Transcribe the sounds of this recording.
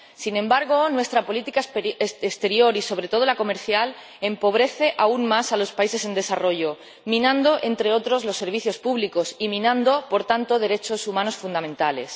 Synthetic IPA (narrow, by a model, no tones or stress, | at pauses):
sinẽmbaɾɣ̞onwe̞st̪ɾapo̞lit̪ikaeest̪e̞ɾjo̞ɾiso̞β̞ɾe̞t̪o̞ð̞o̞lako̞me̞ɾθjal | e̞mpo̞β̞ɾe̞θe̞ʔaunmasalo̞spaise̞se̞nd̪e̞saro̞ʝo | mĩnãnd̪o̞ʔe̞nt̪ɾe̞o̞t̪ɾo̞zlo̞sːe̞ɾβ̞iθjo̞spuβliko̞simĩnãnd̪o̞po̞ɾt̪ant̪o̞ð̞e̞ɾe̞t͡ʃo̞sumãno̞sfund̪amẽ̞nt̪ale̞̰s